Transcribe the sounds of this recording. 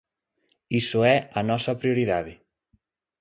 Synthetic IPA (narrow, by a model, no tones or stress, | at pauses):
isoɛanɔsapɾioɾiðaði